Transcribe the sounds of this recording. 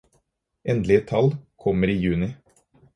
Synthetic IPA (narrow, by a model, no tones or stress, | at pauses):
ʔɛnd̪lɪət̪ʰɑlkʰɔməɾiːjʉːnɪ